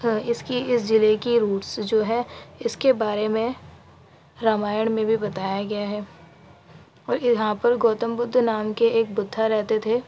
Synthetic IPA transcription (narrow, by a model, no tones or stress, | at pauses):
ɪskiɪsd͡ʒɪlekiɾuːʈsd͡ʒoːɦɛɪskebaːɾemẽ | ɾaːmaːjəɽ̃mẽbʱibɐt̪aːjaɡɐjaɦɛː | ɔːɾɦãpɐɾɡoːt̪ə̃mbʊd̪ʱːnaːmkeeːk̚bʊd̪ʱːaɾɛɦt̪et̪ʰeː